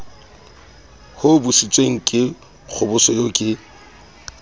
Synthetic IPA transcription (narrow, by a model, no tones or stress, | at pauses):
hʊbʊsit͡sʼweŋ̩kʼɪ | k͡xʰʊbʊsɔjoːkʼɪ